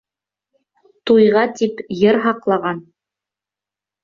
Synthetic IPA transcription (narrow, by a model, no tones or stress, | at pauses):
t̪ujʁɑt̪ipjɤɾɦɑqlˠɑʁɑn